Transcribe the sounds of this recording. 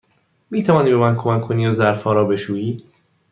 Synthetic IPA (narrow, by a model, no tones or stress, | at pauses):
miːt̪ʰævɒːniːbe̞mænkʰo̞mækʰːoniːozæɾfɒːɾɒːbe̞ʃuːiː